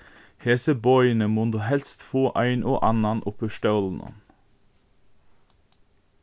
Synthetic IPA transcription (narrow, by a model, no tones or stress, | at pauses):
heːsəbɔʏənəmoːnd̪oːhɛlst̪foːʔæɪnʔo̰ːʔɑnɑnʔʊpəʃʈœln̩ə̰n